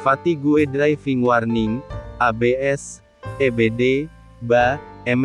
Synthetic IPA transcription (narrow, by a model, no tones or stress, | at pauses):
fat̪iɡuedɾaifiŋwarniŋabeɛs | ebede | baɛm